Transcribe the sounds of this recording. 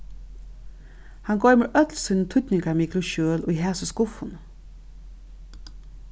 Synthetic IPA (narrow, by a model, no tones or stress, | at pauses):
hanɡɔʏməɹʔœt̪lsinət̪ʰʊt̪nɪŋkamiːklʊʃøːlʊiɦæːsəskʊfʊn